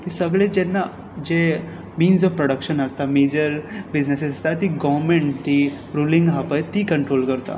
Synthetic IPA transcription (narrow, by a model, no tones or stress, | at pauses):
kisəɡɭed͡ʒɛnːa | d͡ʒe | miːnsɔfpɾoɽəkʃənəst̪ameːd͡ʒəɾbɪd͡ʒnesesəst̪at̪iɡɔʋɾmẽɳʈt̪i | ɾuːlĩŋɡɦapəjt̪ikə̃ɳʈɾoːlkəɾt̪a̰